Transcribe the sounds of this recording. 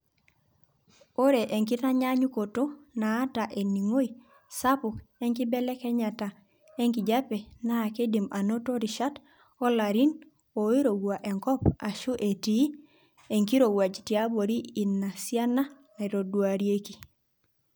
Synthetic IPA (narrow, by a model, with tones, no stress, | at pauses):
o˦ɾe˨ʔe˨ŋki˦ta˦ɲa˦ɲu˦ko˨to˦naː˨˦ta˨ʔe˨ni˨ŋo˦i˨ | sa˦pʊ˨kɛ˦ŋki˦bɛ˦lɛ˦kɛ˦ɲa˨ta˨ | e˦ŋki˨d͡ʒa˦pɛ˨naː˦˨ke˦di˨ma˨no˦to˦ɾi˨ʃa˦t | ɔ˦la˨ɾi˦n | o˨i˦ɾo˨ɡwa˨ʔɛ˨ŋkɔ˦pa˨ʃu˦ʔe˨ti˨˦ | e˨ŋki˦ɾo˨wa˨d͡ʒti˨a˦bo˨ɾiː˦˨nːa˨sja˦na˦˨ | i˨ɾo˨dwa˨ɾje˦ki˨